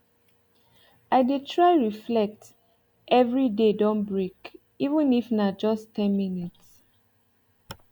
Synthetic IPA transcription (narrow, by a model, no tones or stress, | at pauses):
aɪdetʰɹaɪɹiflɛk̚t | ʔɛvɹidedõnbɹek | ivə̃nifnad͡ʒɔstʰɛ̃nminits